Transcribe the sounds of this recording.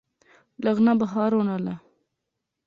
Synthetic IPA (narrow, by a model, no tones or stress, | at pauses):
laɣnabaɦɑɾonala